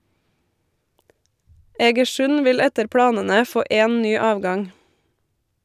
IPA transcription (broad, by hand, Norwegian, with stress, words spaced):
ɛɡəˈʃʉn ˈʋɪl ˈɛtəɾ ˈpɽɑːnənə ˈfoː ˈeːn ˈnyː ˈɑːʋˌɡɑŋ